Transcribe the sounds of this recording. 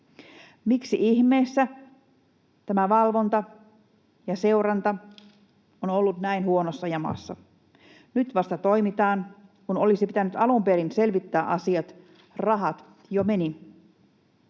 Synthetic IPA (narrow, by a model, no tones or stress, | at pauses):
miksiʔiçme̞ːsːæ | t̪æmæʋɑlʋo̞nt̪ɑ | jɑse̞uɾɑnt̪ɑ | onolːut̪næinhuonosːɑjɑmɑ̰sːɑ̰ | nyt̪ʋɑst̪ɑt̪o̞jmit̪ɑːnkuno̞lisipit̪ænyt̪ɑlumpeɾinse̞lʋit̪ːæːʔɑsiɑt̪ | rɑɦɑt̪ | jome̞ni